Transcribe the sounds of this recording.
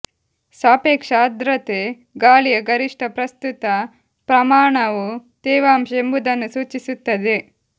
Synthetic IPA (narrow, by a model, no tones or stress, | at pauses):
saːpeːkʂad̪ɾɐt̪e | ɡaːlijɐɡɐɾiʂʈʰɐpɾɐst̪ut̪ɐ | pɾɐmaːɳɐʋut̪ɛːʋaːmʃembud̪ɐnːusuːt͡ʃisut̪ːɐd̪e